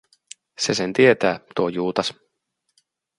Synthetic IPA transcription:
sesent̪iet̪æːt̪uojuːt̪ɑs

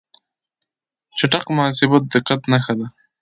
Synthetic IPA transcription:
t͡ʃaʈaqmʊas̬ɪbat̪̚d̪əqat̪naxad̪a

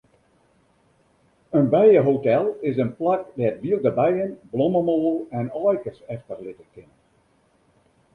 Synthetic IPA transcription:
ənbɛjəɦotɛlˠɪsənplakdɛtʋiəlˠdəbɛjənblɔməmoːəlˠɛnɑːjkəsɛftərlɪtəkɪnə

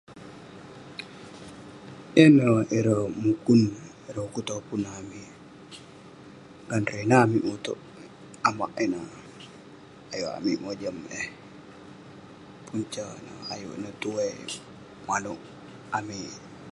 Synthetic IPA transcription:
ʔɛnaʔɛɾomukun | ɛɾokutopunami | ɡanɾenamiʔutɔ̰ | ama̰ʔɛna | ajua̰mimod͡ʒamɛ | punt͡ʃana̰a̰jṵnatuwɛ | malu | ami

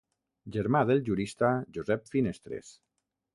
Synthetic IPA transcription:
d͡ʒeɾmaðelʒuɾist̪aʒuzɛpfinest̪ɾḛs

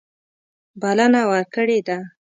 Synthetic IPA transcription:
balanawəɾkəɽed̪a

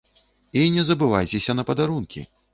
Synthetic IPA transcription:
inʲɛzɐbɨvajt͡sʲɛsʲɐnɐpɐd̪aɾunkʲḭ

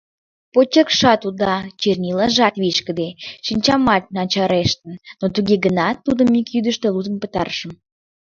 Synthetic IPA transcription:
pot͡ɕekʃɑt̪ud̪ɑt͡ɕerʲnʲilɑʒɑt̪βiʃkə̆d̪eʃinʲt͡ɕɑmɑt̪̚ʲnɑt͡ɕɑɾeʃt̪ənnot̪uɣeɡənɑt̪ːud̪əmikjyd̪əʃt̪eludzəmpət̪ɑ̰rʃəm

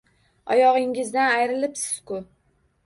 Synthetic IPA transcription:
ɒ̰jɒʁɪŋɪzd̪anajɾɪlɪpsɪz̥kʊ

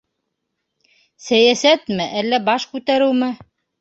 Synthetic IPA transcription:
sæjæsæt̪mɘʔælːæbɑʃkʉt̪æɾɘwmɘ

